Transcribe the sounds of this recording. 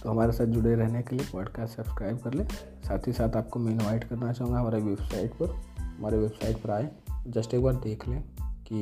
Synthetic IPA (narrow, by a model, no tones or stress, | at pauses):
t̪oɦɐmaːɾesaːt̪̚d͡ʒʊɽeɾɛɦnekeliepɔːɖkaːsʈsɐbskɾaːɪb̚kɐɾleː | saːt̪ʰisaːt̪aːp̚komɛ̃ɪnʋaːɪʈkɐɾnat͡ʃaːɦũŋɡaɦmaːɾeʋebsaːɪʈpɐɾɦɐmaːɾeʋebsaːɪʈpɐɾaːed͡ʒɐsʈeːk̚baːɾɖ̪eːkʰlẽːki